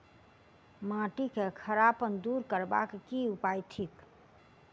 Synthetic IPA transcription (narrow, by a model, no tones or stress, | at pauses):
mãʈikekʰəɾapənd̪uɾkəɾba̰kkiupajt̪ʰik